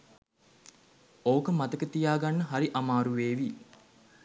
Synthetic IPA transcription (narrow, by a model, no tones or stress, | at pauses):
oːokəmat̪əkət̪ijaːɡanːəɦaɾiʔamaːɾuʋeːʋi